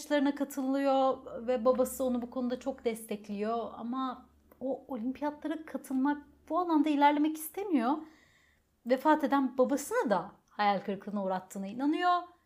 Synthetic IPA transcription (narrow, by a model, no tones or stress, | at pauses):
t͡ʃlˠaɾɯnakʰat̪ʰɯlˠɯjo̞vɛbabasɯo̞nubukʰo̞nud̪at͡ʃʰo̞kd̪ɛst̪ʰɛclʲijo̞a̰ma | oolʲimpʰijad̪lˠaɾakʰat̪ʰɯlˠmak̚ | b̥ualˠand̪ailʲæɾlʲe̞mɛci̥st̪ʰe̞mijo̞ | vefaːt̪e̞d̪ænbabasɯnad̪a | hajalʲkɯɾkʰlˠɯnauːɾat̪ʰːɯːnɯinanɯjo